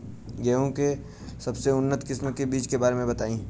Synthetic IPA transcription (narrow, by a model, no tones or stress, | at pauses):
ɡeːõke | sɐbseʊnːət̪kɪsməkebiːt͡ʃkebaːɾemẽbɐt̪aːĩː